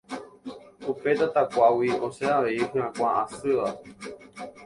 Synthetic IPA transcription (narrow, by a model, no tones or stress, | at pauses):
upe̞d̪at̪akʷawioseaʋe̞iɦɨ̃ãkʷaasɨʋa